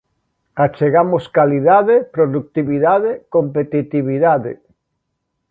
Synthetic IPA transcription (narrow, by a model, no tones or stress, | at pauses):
at͡ʃeɣamoskaliðaðepɾoðuk̚t̪iβiðaðekompet̪it̪iβiðaðḛ